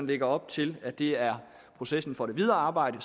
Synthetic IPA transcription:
nleɡ̥ɐɒ̽b̥̚t͡sʰe̝læd̥e̝æɐ | pʰʁo̝sesn̩fɒ̽ɾe̝ʋið̞ˠɐːɑ̈ːb̥ɑ̈ɪ̰ɾ̥ə

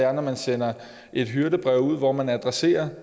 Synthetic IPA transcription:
æɐnɐmænsenɐ | e̝d̥ɦyɐɾəb̥ʁɛʊ̰uð̞̰ˠʋɒmænɐæd̥ʁase̝̰ːɐ

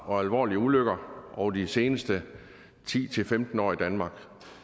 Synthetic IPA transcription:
ɒ̽ælʋɒ̰ːliəuløɡ̥ɐʔɒʊdise̝ːnəsd̥ə | t͡sʰḭːt͡sʰe̝lfemd̥n̩ɒ̰ːid̥ænmɑ̈ːɡ̥

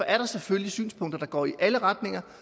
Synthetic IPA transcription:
ɒʔæɐɾ̥ɑ̈seføllisy̰ːnspʰɔ̽ŋ̰d̥ɐd̥ɑ̈ɡ̥ɒ̰ːiʔæləʁad̥ne̝ŋɐ

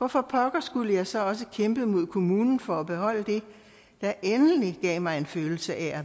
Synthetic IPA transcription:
ʋɒfɒpʰɒ̽ɡ̥ɐsɡ̥uləjɑ̈ɪsɒ̽ɒ̽s̬əkʰemb̥əmo̝ð̞̰ˠkʰo̝muːnn̩fɒ̽æb̥e̝ɦɒ̽l̰əd̥e̝ | d̥ɑ̈ʔenn̩iɡ̥ɛ̰ːmɑ̈ɪe̝nføːl̩səʔææ

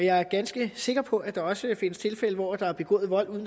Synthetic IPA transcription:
jɑ̈ɪæɐɡ̥ænsɡ̥əse̝ɡ̥ɐpʰɒ̽ʔæd̥ɑ̈ɒ̽səfe̝nəst͡sʰe̝lfeləʋɒ̰ːæd̥ɑ̈æɐb̥e̝ɡ̥ɔ̰̽ːð̩ˠʋɒ̽l̰uðˠn̩

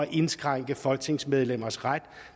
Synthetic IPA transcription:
ʔe̝nsɡ̥ʁaŋ̰ɡ̥əfɒ̽lɡ̥̚t͡sʰe̝ŋsmeð̞ˠlem̰ɐsʁad̥

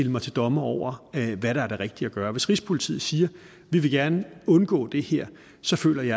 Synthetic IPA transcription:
eləmɑ̈ɪt͡sʰe̝ld̥ɒ̽məɒʊ̰ɐʋæɾɑ̈æɐɾ̥eʁeɡ̥̚d̥iæɡ̥ɶːɐʋe̝sʁispʰo̝lit͡sʰḭð̩ˠsiːɐ | ʋiʋe̝ɡ̥æɐnəɔ̽nɡ̥ɔ̰̽ːd̥e̝heɐ̰ | sɒ̽fø̰ːlɐj

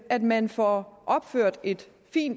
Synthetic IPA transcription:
æd̥mænfɒʔɒ̽b̥føɐ̰d̥e̝d̥ | fḭːn̥

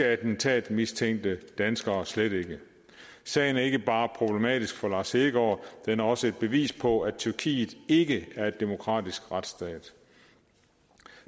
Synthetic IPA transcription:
æɐd̥n̩t͡sʰɛ̰ːd̥mist͡sʰeŋ̰d̥əd̥ænsɡ̥ɐːsleɾ̥e̝ɡ̥ə | sɛ̰ːɪn̩æɐe̝ɡ̥əb̥ɑ̈ːpʰʁo̝b̥le̝mɛ̰ːd̥isɡ̥fɒ̽lɑ̈seɡ̥ɒɐd̥enæɐɒ̽səe̝d̥̚b̥e̝ʋḭːspʰɒ̽æt͡sʰyɐkʰḭːðˠe̝ɡ̥əæɐe̝d̥ːe̝mo̝kʰʁɑ̰̈ːd̥isɡ̥ʁad̥sd̥ɛ̰ːd̥

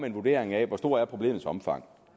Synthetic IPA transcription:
me̝nʋud̥e̝̰ːɐeŋɛʋɒsd̥o̝ɐ̰æɐpʰʁo̝b̥e̝̰ːmð̩ˠsɒ̽mfɑ̈ŋ̰

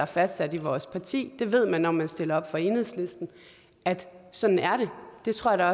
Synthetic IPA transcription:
ɑ̈fæsd̥sæd̥iʋɒːspʰɑ̈t͡sʰḭːd̥e̝ʋe̝ð̞̰ˠmænːɒmænsd̥e̝lɐɒ̽b̥fɒ̽e̝nheð̰ˠsle̝sd̥n̩ | ʔæd̥sɒ̽d̥n̩æɐɾ̥e̝d̥e̝t͡sʰʁo̝ɐ̰ɐd̥ɑ̈ɒ̽

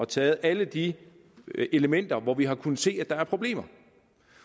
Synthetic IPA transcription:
ɒt͡sʰɛːð̞̩ˠæləd̥i | e̝ləmen̰d̥ɐʋɒʋiɦɑ̈kʰunð̩ˠse̝̰ːæd̥ɑ̈æɐpʰʁo̝b̥le̝̰ːm̰ɐ

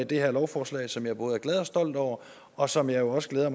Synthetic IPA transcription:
d̥e̝heɐlɒʊfɒːslɛ̰ɪsɒ̽mjɑ̈æɐb̥o̽ːð̩ˠæɡ̥lɛð̞ˠɒ̽sd̥ɒ̽l̰d̥ɒʊ̰ɐ | ɒ̽sɒ̽mjɑ̈ɪjo̝ɒ̽səɡ̥leːð̞ˠɐm

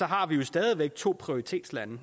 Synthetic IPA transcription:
ɒ̽ɦɑ̈ʋijo̝sd̥ɛːð̞ˠiʋeɡ̥̚t͡sʰo̝̰ːpʰʁioʁit͡sʰe̝̰ːd̥slænə

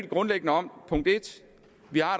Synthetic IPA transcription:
d̥ɡ̥ʁɔ̽nleɡ̥ənəɒ̽m̰pʰɔ̽ŋ̰d̥e̝d̥ | ʋihɑ̥̈

